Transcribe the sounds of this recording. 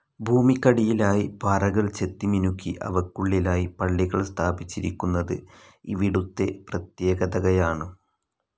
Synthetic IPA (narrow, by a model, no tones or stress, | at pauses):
bʱuːmikːɐɽijilaːjibaːrɐɣɐɭt͡ɕe̞t̪ːiminukʲːiʔɐ̰ʋɐkːuɭːilaːjipɐɭːiɣɐɭst̪ʰaːbit͡ɕːiɾikʲːunːɐðɨ | ḭʋiɽut̪ːe̞prɐt̪je̞ːɡɐðɐɣɐjaːɳɨ